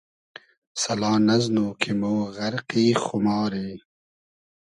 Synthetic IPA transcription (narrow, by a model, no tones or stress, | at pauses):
sɐlɑːnɐznoːkʰimoːɣɐɾqiːxʊmɑːɾeː